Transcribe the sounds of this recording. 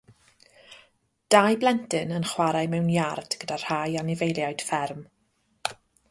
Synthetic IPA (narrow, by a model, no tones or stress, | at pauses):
d̥ajblˠɛntɨnənχwaɾajmɛwnjard̥ɡ̥ədar̥hajanɪvejlˠjajd̥fɛrm